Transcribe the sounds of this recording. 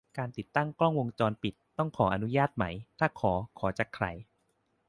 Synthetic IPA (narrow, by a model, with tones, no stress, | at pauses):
kaː˧nt̪i˨˩t̪ːa˥˩ŋklɔ˥˩ŋwo˧ŋt͡ɕɔː˧npi˨˩t̪ːɔ˥˩ŋkʰɔː˩˦ʔa˧nu˦˥jaː˥˩t̪̚ma˦˥jt̪ʰaː˥˩kʰɔː˩˦kʰɔː˩˦t͡ɕa˨˩kʰɾa̰˧˩j